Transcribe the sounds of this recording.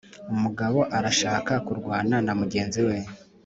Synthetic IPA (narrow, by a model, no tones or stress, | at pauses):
umuɡaβo̞ʔaɾaʃaːkakuɾɡwaːnanamuɟe̞ːnziwe